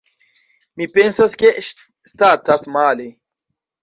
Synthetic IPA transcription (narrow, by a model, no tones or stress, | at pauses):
mipensaske | st̪atasmale